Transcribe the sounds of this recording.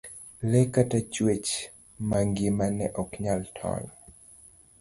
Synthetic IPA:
lɛkatat͡ʃwet͡ʃ | maŋɡɪmanɛʔɔkɲaltʰɔ̰ɲ

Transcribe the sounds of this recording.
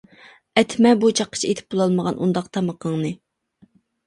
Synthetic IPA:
ɛt̪ʰmɛbut͡ʃʰɑqːə̥t͡ʃʰiet̪ʰɪ̥p̚bolˠɑlˠməʁɑnʔund̪ɑq̚t̪ʰɑməqʰəŋnɨ

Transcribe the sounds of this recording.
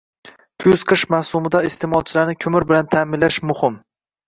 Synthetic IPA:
kʲʰʊz̥qʰɨʃmahsʊmɪd̪aɪst̪ʰɪmɒlˠt͡ʃʰɪlaɾnɪkʲʰʊmɪɾbɪlant̪ʰaːmɪnlaʃmʊhɪm

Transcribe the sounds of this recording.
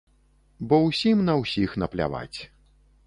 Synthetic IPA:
bɔwsʲimnɐwsʲixn̪ɐplʲa̰va̰t͡sʲ

